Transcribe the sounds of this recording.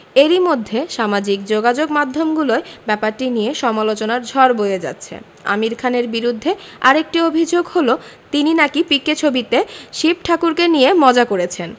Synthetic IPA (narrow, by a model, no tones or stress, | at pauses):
eɾimod̪ʱːeʃamad͡ʑik̚d͡ʑoɡad͡ʑoɡmad̪ʱːomɡuloebɛpaɾʈinijeʃɔmalot͡ɕonaɾd͡ʑʱɔɾbojed͡ʑa̰tːɕʰḛ | a̰miɾkʰaneɾbiɾud̪ʱːeaɾek̚ʈiobʱid͡ʑoɡholot̪ininakipɾikːet͡ɕʰobit̪eʃip̚ʈʰakuɾkenijemɔd͡ʑakoɾet͡ɕʰen